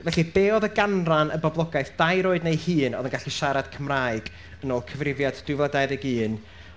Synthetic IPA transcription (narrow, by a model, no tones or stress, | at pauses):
vɛɬib̥eːɔðəɡanranə̰bɔblˠɔɡajθd̥ajɾoːɨdnejhɨːnɔ̰ðənɡaɬiʃaɾad̥kʰəmraːjɨɡ̥ | ənoːlˠkʰəvrɪvjad̥d̥ʊvadajðɛɡɨːn